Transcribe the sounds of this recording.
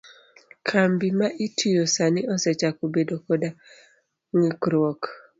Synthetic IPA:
kʰambimaʔitʰujosaniɔsɛt͡ʃakobedokɔda | ŋikɾwɔk

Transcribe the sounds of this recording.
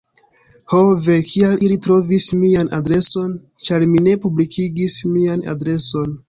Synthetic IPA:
hove̞kʰialilitɾo̞vismianʔa̰dɾe̞so̞n | t͡ʃaɾmine̞publikʰiɡismiana̰dɾe̞so̞n

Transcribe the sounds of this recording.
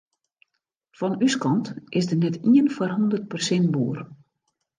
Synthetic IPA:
fɔnyskɔntʔɪsdənɛtiənfarɦondərt̚pərsɪnt̚buːər

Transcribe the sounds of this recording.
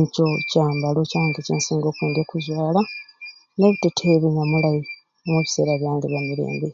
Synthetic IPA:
ɲco̞caːmbalocaːŋɡecḛːnsiːŋɡo̞ːkweːndokuzwaːla | neβutetʰeβeɲamulaji | omweβise̞̰ːɾaβjaːŋɡeβjamiɾḛːmbe

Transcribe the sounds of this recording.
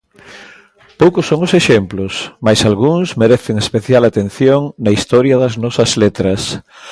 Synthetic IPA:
powkʊsːoŋʊseʃemplʊsmajsalɣuŋsmeɾeθeŋespeθjalat̪enθjoŋnɐist̪ɔɾjɐðɐznɔsɐzlet̪ɾɐs

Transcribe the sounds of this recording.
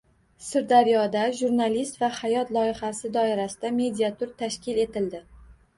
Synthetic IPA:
sɪɾd̪aɾijɒd̪aʒuɾnalist̪vahajɒt̪lˠɒɪχasɪd̪ɒɪɾasɪd̪ame̞d̪ʲiat̪ʰʊɾt̪ʰaʃkʲɪle̞t̪ɪld̪ɪ

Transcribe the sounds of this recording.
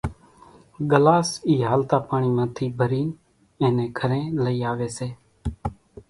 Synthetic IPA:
ɠəlaːsiːɦaːlt̪aːpaːɳiːmãːt̪ʰiːbʱəɾiː | ẽːnẽːkʰəɾẽːləiːaːʋeːseː

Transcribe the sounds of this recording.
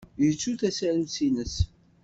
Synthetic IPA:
jət͡sːuθæsæɾənsinəs

